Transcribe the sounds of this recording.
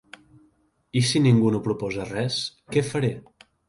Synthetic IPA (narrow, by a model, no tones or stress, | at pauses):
isiniŋɡunopɾupɔzərɛskɛfəɾe